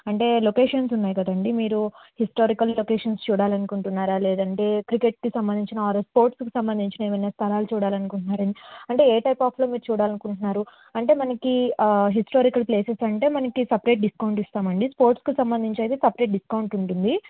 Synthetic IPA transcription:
ɐɳʈe̞ːlokeːʂɐnsunːaːjkɐd̪ɐɳɖimiːɾuhisʈoːɾikɐlːokeːʂɐnst͡ʃuːɽaːlɐnukuɳʈunːaːɾaːle̞ːd̪ɐɳʈe̞ːkɾike̞ʈ̚kisɐmbɐnd̪iɲt͡ʃinɐaːɾɐspo̞ːɾʈskisɐmbɐnd̪iɲt͡ʃinɐeːʋɐjnɐst̪ʰɐlaːlut͡ʃuːɽaːlɐnukuɳʈunːaːɾɐɳiɐɳʈe̞ːeːʈɐjpaːpʰlo̞ːmiːɾut͡ʃuːɽaːlɐnukuɳʈunːaːɾu | ɐɳʈe̞ːmɐnɐkiɦisʈoːɾikɐlpleːsesɐɳʈe̞ːmɐnɐkisɐpɾe̞ːʈ̚ɖiskɐwuɳʈist̪aːmɐɳɖispo̞ːɾʈskisɐmbɐnd̪iɲt͡ʃɐjt̪eːsɐpɾe̞ːʈ̚ɖiskɐwɳʈuɳʈund̪i

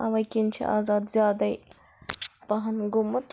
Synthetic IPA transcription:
ɐʋɐjkint͡ʃʰḭʔa̰ːzaːd̪zʲjaːd̪ɐi | pɐɦɐnɡʊmɨt̪

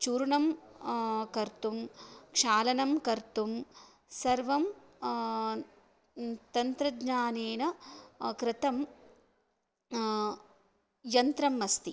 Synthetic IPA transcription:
t͡ʃuːɾɳɐm | kɐɾt̪umkʂaːlɐnɐmkɐɾt̪um | sɐɾʋɐm | t̪ɐnt̪ɾɐdɲaːneːnɐkɾɪt̪ɐm | jɐnt̪ɾɐmɐst̪i

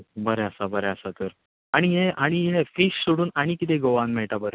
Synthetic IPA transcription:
bəɾeəsabəɾeəsat̪əɾ | aɽ̃iɦeʔaɽ̃iɦẽfiɕsuɽuːnaɽ̃ikit̪eɡoʋãnmɛɭʈabəɾe

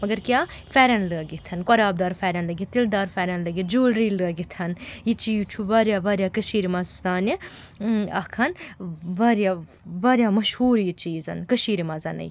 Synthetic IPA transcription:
mɐɡɐɾkjaːfɛːɾʲɐnləːɡit̪ʰɐnkɔɾaːb̚d̪aːɾfɛːɾʲɐnlɐɡit̪ild̪aːɾfɛːɾʲɐnlɐɡid͡ʒuːlɾiːləːɡit̪ʰɐnjit͡ʃiːt͡ʃʰuʋaːɾjaːʋaːɾʲjaːkɐʃiːɾimɐzzaːni | ɐ̰kʰɐnʋaːɾjaː | ʋaːɾʲjaːmɐʃhuːɾjit͡ʃiːzɐ̰nkɐʃiːɾimɐzɐnɐ̰j

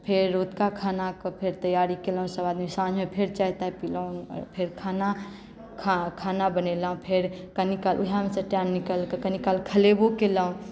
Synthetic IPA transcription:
pʰeɾːot̪kakʰanakəpʰeɾt̪əjaɾikeləũsəbad̪misãnd͡ʒʱmepʰeɾt͡ʃaɦit̪aɦepiləũpʰeɾkʰana | kʰakʰanabənelaɦũpʰeɾkənikalʔuɦamesə̃ʈanːikəlkəkənikalkʰəlebokelaɦũ

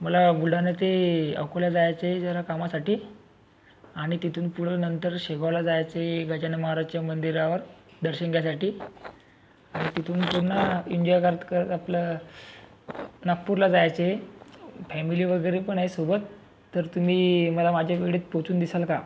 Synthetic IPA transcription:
məlaɡulɖ̤ʱanet̪eə̰wkoljad͡zajat͡seed͡zaɾakamasaʈiː | aɽ̃it̪it̪uːnpuɽ̤ənənt̪əɾɕeɡəʋlad͡zajat͡səeɡʱət͡ɕaneməɦaɾad͡zt͡ɕamənd̪iɾaʋəɾd̪əɾɕənɡjasaʈiː | aɽ̃it̪it̪uːnpuɾnəiɲd͡ʑɔjkaɾət̪kəɾət̪aplə | nək̚pːuɾlad͡zajat͡seefɛmiliːʋəɡəjɾepəɳaɦesobət̪ː | əɾt̪um̤iːməlamad͡ʑʱjaʋeɡɽit̪pot͡suːnd̪isalka

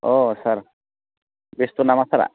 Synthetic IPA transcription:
osaɾ | best̪unamasaɾa̰

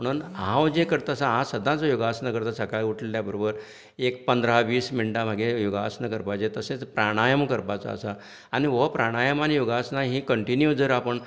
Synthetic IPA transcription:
m̤əɽ̃uːnɦãʋd͡ʑekəɾt̪asaɦãsəd̪ʱãt͡sojoɡasnakəɾt̪asakajiuʈleljabəɾobəɾ | ek̚pənd̪ɾaʋiːsminʈam̤aɡejoɡasnəkəɾpajt͡set̪əset͡spɾaɽ̃ajəmkəɾpat͡sa̰ə̰sa | añiʋəpɾaɽ̃ajəmañijoɡasnaɦĩːkəɳʈinjud͡zəɾapəɳ

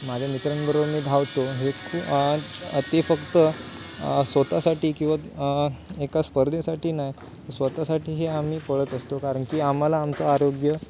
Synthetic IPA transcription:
mad͡ʑʱanit̪ɾəɳbəɾoʋmiːd̪ʱaʋt̪oɦekʰ | t̪efəkt̪ə | sʋət̪asaʈiːkĩw̃ʋa | ekaspəɾd̪ʱẽsaʈiːnaj | sʋət̪asaʈiːɦeam̤iːpəɭət̪əst̪okaɾəɳkiːam̤alaːmt͡soaɾoɡjə

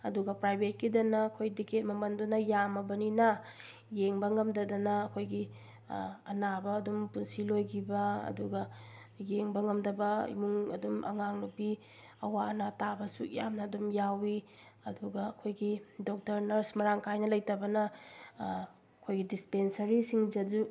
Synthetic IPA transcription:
ɐduɡɐpɾajbʱet̚kidɐnɐːkʰojdiket̚mɐmɐndunɐjamɐbɐninɐ | jeŋbɐŋɐmdɐdɐnɐːkʰojɡi | ɐnabɐːdumpunsilojɡibɐɐ̰duɡɐjeŋbɐŋɐmdɐbɐḭmuŋɐ̰dumɐ̰ŋaŋnupi | ɐwanatabɐsṵjamnɐːdumjawi | ɐduɡɐːkʰojɡidok̚tɐɾnɐɾsmɐɾaŋkʰajnɐlɐjtɐbɐnɐ | ɐkʰojɡidispensɐɾisiŋd͡ʒɐd͡ʒu

